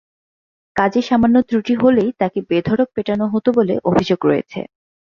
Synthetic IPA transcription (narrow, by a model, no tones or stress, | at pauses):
kad͡ʑeʃamanːot̪ɾuʈiɦolejt̪akebed̪ʱɔɽok̚peʈanoɦot̪obolḛʔobʱid͡ʑoɡɾoḛt͡ɕʰḛ